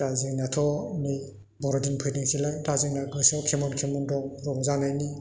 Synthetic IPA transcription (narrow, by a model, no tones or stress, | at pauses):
daziŋnatʰɔni | bɔɾɔdinpʰɯjdiŋsʰilajdaziŋnaɡɯsɔkʰemɔnkʰemɔndɔŋɾɔŋzanajni